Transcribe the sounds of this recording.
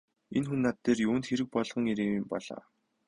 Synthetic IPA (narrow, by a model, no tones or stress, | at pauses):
enxunːat̪ːeːrjuːnt̪xeɾɘ̆k̚pɔɮʁ̥ɞ̆ŋiɾeːmimpɔɮa̰ː